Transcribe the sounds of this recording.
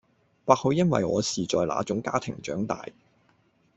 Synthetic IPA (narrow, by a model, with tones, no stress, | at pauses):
paː˧k̚ho˨˧wjɐ˥nwɐ̰˨jŋɔː˨˧siː˨˩t͡ʃɔː˨jla̰ː˨˥t͡ʃʊ˨˥ŋkaː˥t̪ʰɪ˨˩ŋt͡ʃœː˨˥ŋt̪a̰ː˨j